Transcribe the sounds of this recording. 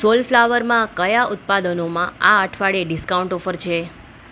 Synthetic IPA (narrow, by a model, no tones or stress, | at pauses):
solflaʋəɾmãkəjaʔʊt̪̚pad̪ənomãaəʈʰʋaɽeɖɪskauɳʈofəɾt͡ʃʰe